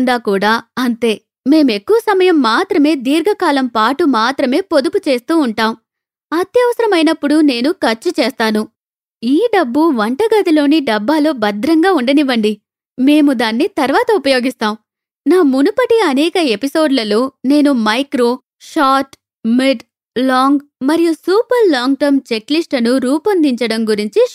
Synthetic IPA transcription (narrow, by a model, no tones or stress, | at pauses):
ɳɖ̪aːkuːɽaːɐnt̪e̞ː | me̞ːmue̞kːuʋɐsɐmɐjɐmːaːt̪ɾɐme̞ːd̪iːɾɡɐkaːlɐmpaːʈumaːt̪ɾɐme̞ːpod̪uput͡ʃe̞ːst̪uːɳʈaːm | ɐt̪jɐʋɐsɐɾɐmɐjnɐpːuɽune̞ːnukɐɾt͡ʃːut͡ʃɛːst̪aːnu | iːɖɐbːuʋɐɳʈɐɡɐd̪ilo̞ːniɖɐbːaːloːbɐd̪ɾɐŋɡaːuɳɖɐniʋɐɳɖi | me̞ːmud̪aːnːit̪ɐɾʋaːt̪ɐupɐjo̞ːɡist̪aːm | naːmunupɐʈiɐnɛːkɐe̞piso̞ːɖlɐlo̞ːne̞ːnumɐjkɾo̞ː | ʂaːʈ | miɖ | laːŋɡmɐɾijusuːpɐɾlaːŋɡ̚ʈɐɾmt͡ʃe̞klisʈɐnuɾuːpɐnd̪iɲt͡ʃɐɽɐmɡuɾiɲt͡ʃi